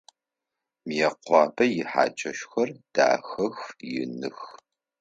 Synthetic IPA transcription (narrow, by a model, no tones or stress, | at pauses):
mjɛqʷɑːbɐjɪħa̰ːt͡ʃʼɐʃxɐrd̥a̰ːxɐxjɪ̰nɨx